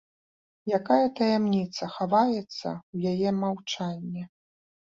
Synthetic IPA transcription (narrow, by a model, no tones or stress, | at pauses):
jakajɐt̪ɐjɛmnʲit̪sɐxavajɛt̪sːɐ̰wjajɛmawt͡ʂanʲːɛ